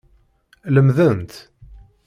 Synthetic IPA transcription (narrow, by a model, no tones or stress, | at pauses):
ləmðənt̪